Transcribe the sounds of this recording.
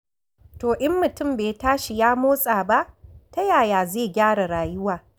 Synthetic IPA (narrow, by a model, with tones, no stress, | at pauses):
toː˨ʔɪ˦mːʊ˨tʊ˦˨mbeː˨taː˦ʃi˨jaː˦moː˦sʼaː˨ba˦ʔta˦jaː˨jaː˨zeː˦˨ɡʲaː˦ɽa˨ɽaː˨jʊ˦waː˨